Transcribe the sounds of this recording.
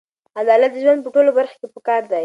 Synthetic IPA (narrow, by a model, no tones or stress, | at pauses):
ad̪ɑlat̪̚d̪əʒwand̪̚pəʈolobaɾxo̥kepəkɑɾd̪aj